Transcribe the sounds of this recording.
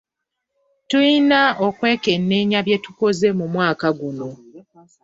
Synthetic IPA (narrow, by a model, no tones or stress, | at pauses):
tujinaokwe̞ːke̞nːeːɲaβje̞tuko̞ze̞mumwaːkaɡuno̞